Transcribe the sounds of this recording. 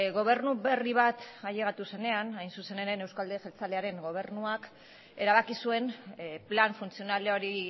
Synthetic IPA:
ɣo̞β̞e̞ɾnuβe̞riβ̞at̪aʎe̞ɣ̞at̪use̞ne̞anajnsuse̞neɾe̞ne̞wskald̪eʝelt͡saleaɾe̞ŋɡo̞β̞e̞ɾnuak | e̞ɾaβakisue̞nplanfunt͡sio̞naleoɾi

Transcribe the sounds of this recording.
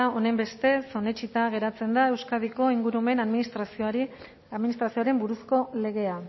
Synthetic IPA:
aone̞mbe̞st̪e̞so̞ne̞t͡ʃit̪aɣ̞e̞ɾat͡se̞nd̪aewskaðiko̞iŋɡuɾume̞naminist̪ɾasiɾi | aðminist̪ɾasioaɾe̞mbuɾusko̞le̞ɣe̞a

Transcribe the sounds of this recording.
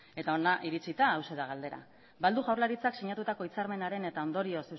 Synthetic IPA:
e̞t̪ao̞naʔiɾit͡sit̪aːwseðaɣ̞ald̪e̞ɾa̰ | bald̪uʝawɾlaɾit͡saksiɲat̪ut̪ako̞it͡saɾme̞naɾe̞ne̞t̪ao̞nd̪o̞ɾio̞se

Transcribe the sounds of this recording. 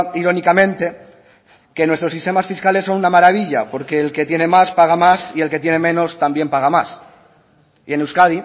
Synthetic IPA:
iɾo̞nikamẽ̞nt̪e̞ | ke̞nwe̞st̪ɾo̞sist̪e̞masfiskale̞sːo̞nunamaɾaβiʎapo̞ɾke̞ːlke̞t̪je̞ne̞maspaɣ̞amasie̞lke̞t̪je̞ne̞mẽ̞no̞st̪ambje̞mpaɣ̞amas | ie̞newskaði

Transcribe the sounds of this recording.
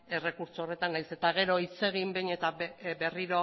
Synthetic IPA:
e̞re̞kuɾt͡soore̞t̪anːajse̞t̪aɣ̞e̞ɾo̞it͡se̞ɣ̞imbejɲe̞t̪abe̞riɾo̞

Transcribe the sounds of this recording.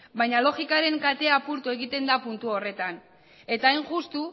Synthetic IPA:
bajɲalo̞xikaɾe̞ŋkat̪e̞apuɾt̪ue̞ɣit̪e̞nd̪apunt̪uo̞re̞t̪an | e̞t̪aːjŋxust̪u

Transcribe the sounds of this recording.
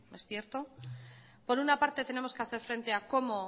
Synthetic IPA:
e̞sθje̞ɾt̪o̞ | po̞ɾunapaɾt̪e̞t̪e̞ne̞mo̞ske̞aθe̞ɾfɾe̞nt̪e̞ako̞mo̞

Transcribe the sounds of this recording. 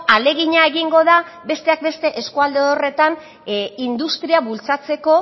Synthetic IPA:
ale̞ɣiɲaeɣiŋɡo̞ðabe̞st̪e̞ak̚be̞st̪e̞ʔeskuald̪eore̞t̪an | ind̪ust̪ɾiaβult͡sat͡se̞ko̞

